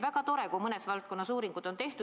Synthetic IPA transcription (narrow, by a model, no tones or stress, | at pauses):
væɡ̥ɑt̪o̞ɾe̞kumɤne̞svɑlt̪̚ko̞nːɑsuːɾiŋɡ̥ud̪̥o̞nt̪e̞ht̪u